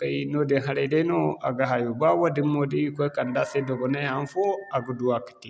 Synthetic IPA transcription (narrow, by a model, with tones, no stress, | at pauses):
ka˨jno˦de˨ɦa˦ɾe˨de˦no˦a̰˨ɡa˨ɦa˨ju˨ba˦wa˦di˦mːo˨di˦ji˦kɔ˦ka˨nda˦se˦dɔ˨ɡɔ˨ne˦a˨˦n˦fo˦a˨ɡu˨du˨a˨ki̥˨ti˨